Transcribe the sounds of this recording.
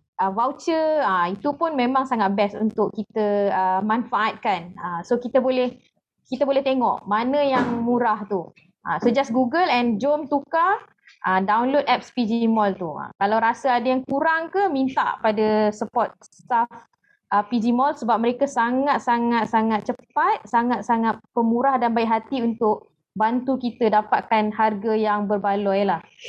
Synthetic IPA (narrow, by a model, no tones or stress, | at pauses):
ʔəwawt͡ʃəəit̪upʊnmẽmãŋsaŋat̪̚bɛsṵnt̪ʊʔkːit̪əəmanfaʔat̪̚kanəmsokit̪əbolɛh | kit̪əbolɛht̪eŋɔ̰ʔmanə̃jaŋmuɾaht̪u | ʔa̰səd͡ʒasɡuɡəlɛnd͡ʒomt̪uka | ʔədawnlod̚ɛp̚spid͡ʒimɔlt̪ua̰kalawɾasaadajaŋkuɾaŋkəhmint̪a̰ʔpadasəpɔt̪̚st̪af | ʔəpid͡ʒimɔlsəbap̚məɾekasaŋat̪̚saŋat̪̚saŋat̪̚t͡ʃəpat̪̚saŋat̪̚saŋat̪̚pəmuɾahdanbajʔɦat̪iunt̪ʊk̚ | bant̪ukit̪ədapat̪̚kanɦarɡajaŋbərbaluajəlah